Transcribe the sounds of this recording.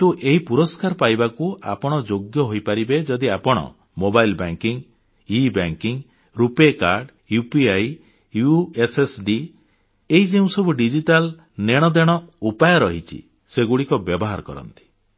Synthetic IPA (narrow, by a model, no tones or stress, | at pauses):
t̪uʔeɦipuɾɔskaɾpajbakua̰pɔɽ̃ɔd͡ʒoɡjɔɦojpaɾibed͡ʒɔd̪iapɔɽ̃ɔ̰ | mobajlbaŋkiŋ | ibaŋkiŋ | ɾupekaɾɖ | jupiaj | juesesɖi | eɦid͡ʒeũsɔbuɖid͡ʒiʈal | neɽ̃ɔd̪eɽ̃ɔupajɔɾɔɦit͡ʃʰḭ | seɡuɽikɔbjɔbɔɦaɾɔkɔ̰ɾɔ̰nt̪i̥